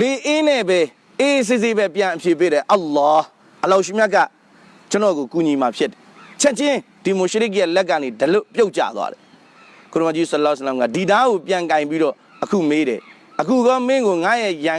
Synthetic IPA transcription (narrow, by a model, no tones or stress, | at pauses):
beʔenɛbɛ | ʔes̬ɪsebɛpjãʔəpʰjepeɾɛʔɑlːɔ | ʔəlaʊʔʃimjakːa̰ | t͡ɕənɔɣokuɲimapʰjɪtːɛ̥t͡ɕʰɛʔt͡ɕɪ̃ | d̥imoʃəɾɪk̬̚jalɛkːãnedəlopjoʊʔ̚t͡ɕa̰d̪wa̰ɾɛ | koɾəmat͡ɕisəlɔsəlãŋɡa̰didaɣopjãŋkãɪ̃mpiɾɔ | ʔəkʰṵmeɾɛ̰ | ʔəkʰuɡɔmɪ̃ŋɡoŋa̰jɛjã